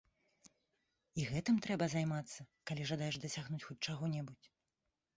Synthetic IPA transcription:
iɣɛt̪ɨmt̪ɾɛbɐzajmat̪sːɐkalʲiʐad̪ajɛʐd̪ɐsʲaɣnut͡sʲxut͡sʲt͡ʂaɣɔnʲɛbut͡sʲ

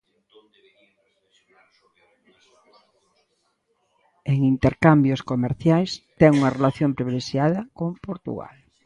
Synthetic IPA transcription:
eŋint̪eɾkambjoskomeɾθjajst̪ɛŋuŋɐrelaθjompɾiβileʃjaðɐkompoɾt̪ṵɣa̰l

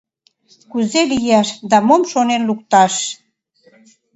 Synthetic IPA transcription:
kuzelijæʃd̪ɑmomʃonenluk̚t̪ɑʃ

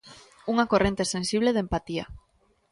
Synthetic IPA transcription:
uŋakorent̪esensiβ̞leð̞empat̪ia

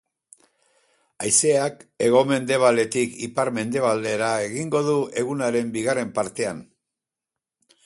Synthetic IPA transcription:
ajse̞ake̞ɣ̞o̞me̞nd̪e̞β̞ale̞t̪ikipaɾme̞nd̪e̞β̞ald̪e̞ɾae̞ɣiŋɡo̞ðue̞ɣunaɾe̞mbiɣare̞mpaɾt̪e̞an

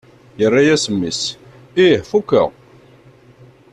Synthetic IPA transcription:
jərˤːajæsəmːis | ihfukːə̰

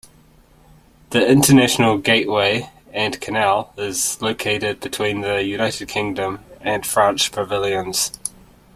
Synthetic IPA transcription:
ðiɪ̃ntənæʃənəlˠɡeɪʔweɪ | ə̃nkʰənælˠɪzləʊkʰeɪɾɪd̚bɨtʰw̥ĩːnðəjʉnaɪtɪd̚kʰɪ̃ŋdə̃mə̃nfɹɛ̃nt͡ʃpʰɹ̥əvɪlˠjə̃nz̥

